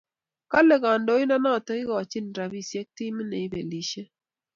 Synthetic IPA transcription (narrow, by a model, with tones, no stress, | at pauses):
ka˦le˨ka˨ndo˨˦ɪ˦na˦na˦˨tə˦kɪ˦kɔ˨t͡ʃi˦n˨dɾa˨bi˦˨sje˦k̚ti˦mɪ˦nḛ˨i˦bḛ˨li˨ʃe˦